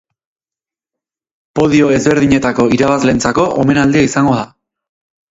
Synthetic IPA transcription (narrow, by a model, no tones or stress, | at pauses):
po̞ð̞io̞e̞zβe̞ɾðiɲe̞t̪ako̞iɾaβazle̞ːnt͡sako̞ʔo̰me̞nald̪iaisaŋɡo̞ða